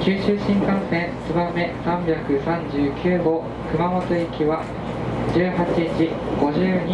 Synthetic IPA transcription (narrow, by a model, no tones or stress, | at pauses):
kʲɨːɕɨːɕĩŋkãɰ̃sẽ̞ɰ̃sɨbamːe̞sãmbʲjakɯ̟sãɲd͡ʑɨːkʲʰɨːɡo̞ː | kɯ̟mamo̞t̪o̞ikʲiβa | d͡ʑɨːɦat͡ɕit͡ɕi | ɡ̥o̞ʑɨːɲ̟